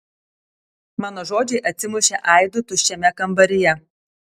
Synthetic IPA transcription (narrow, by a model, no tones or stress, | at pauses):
mɑːnoːʒoːd͡ʒʲɛɪʔɐt̪ʲsʲɪmʊʃʲɛʔɑˑɪd̪ʊt̪ʊʃʲt͡ʃʲɛmʲɛkɐmˑbɐɾʲɪjɛ